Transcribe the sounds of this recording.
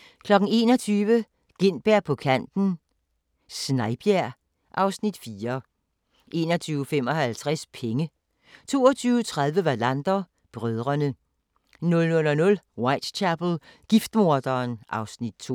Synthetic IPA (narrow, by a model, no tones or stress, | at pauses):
kʰlɒ̽ɡ̥n̩e̝̰ːnɒ̽t͡sʰyːʋə | ɡ̥e̝n̰b̥æɐ̰pʰɒ̽kʰæn̰d̥n̩ | snɑ̈ɪb̥jæɐ | ʔɑ̈ʊsnid̥fiːɐ | ʔe̝̰ːnɒt͡sʰyːʊəfem̰ɒ̽hælt͡sʰʁaspʰeŋə | t͡sʰo̝̰ːɒt͡sʰyːʊt͡sʰʁað̞ˠʋəʋɑlænd̥ɐ | b̥ʁœð̞ˠʁɐnə | nɔ̽lnɔlɒnɔ̽lwɑɪ̰d̥t͡ɕʰæb̥l̩ˠɡ̥ifd̥mo̝ɐd̥ɐːnʔɑ̈ʊsnid̥̚t͡sʰo̰